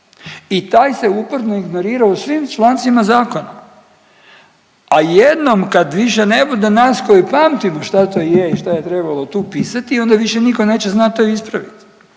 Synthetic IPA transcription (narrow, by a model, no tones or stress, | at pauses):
it̪aːjse̞upɾnoiɡno̞ɾiːɾausʋimt͡ʃlˠant̪sʋimazaːko̞na | ajed̪no̞mkad̪ʋiʃe̞ne̞bud̪enaːsko̞jipaːmt̪imoʃt̪at̪ojeiʃt̪ajet̪ɾe̞balo̞t̪uːpiːsat̪io̞nd̪aʋiʃe̞niko̞ne̞ːt͡ɕeznat̪t̪ːoispɾaʋit̪i̥